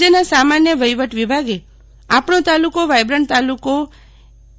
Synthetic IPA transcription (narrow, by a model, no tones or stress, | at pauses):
ənasamanjəʋəjʋəʈʋibʱaɡe | apɳot̪alukoʋajbɾəɳɖt̪aluko